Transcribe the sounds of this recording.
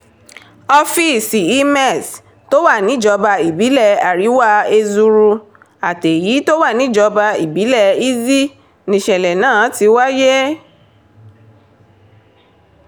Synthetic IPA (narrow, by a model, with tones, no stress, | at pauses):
ɔ˧fi˦˨si˨i˧mɛ˦˨s | to˦wa˦˨nĩ˨˦˨d͡ʒɔ˧ba˧i˨bi˨˦lɛ˦˨a˨ɾi˨˦wa˦e˧zu˧ɾu˧ | a˨te˨jiː˨˦to˦wa˦˨nĩ˨˦˨d͡ʒɔ˧ba˧i˨bi˨˦lɛ˦˨i˦zi˦ | nĩ˧ʃɛ˨lɛ˨nãː˦˨˦ti˧˦wa˦je˦